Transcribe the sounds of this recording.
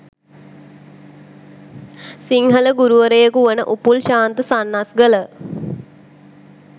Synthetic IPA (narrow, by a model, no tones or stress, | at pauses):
siŋɦələɡuɾuʋəɾəjəkuʋənəʔupulʃaːnt̪əsanːasɡələ